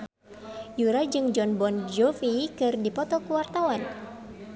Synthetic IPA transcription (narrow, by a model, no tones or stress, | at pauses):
juɾad͡ʒɨŋd͡ʒɔnbɔnd͡ʒɔfikɨrdipɔt̪ɔkuwart̪awan